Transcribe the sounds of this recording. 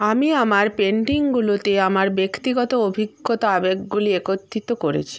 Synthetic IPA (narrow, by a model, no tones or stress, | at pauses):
amiamaɾpeɳɖiŋɡulot̪eamaɾbekt̪iɡɔt̪oobʱiɡːot̪oabeɡɡuliekot̪ːit̪okoɾḛt͡ɕʰi̥